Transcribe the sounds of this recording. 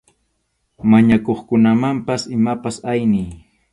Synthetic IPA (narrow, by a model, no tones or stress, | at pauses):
maɲakoχkʊnamampasɪmapasajnɪj